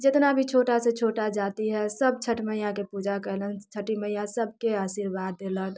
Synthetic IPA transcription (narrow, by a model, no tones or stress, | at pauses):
d͡ʒet̪nabʱit͡ʃʰoʈaset͡ʃʰoʈad͡ʒat̪iɦɛsəb̚t͡ʃʰəʈməjãkepud͡ʒakɛɦlənt͡ʃʰəʈiməjasəb̚ʱkeasiɾbad̪ːelən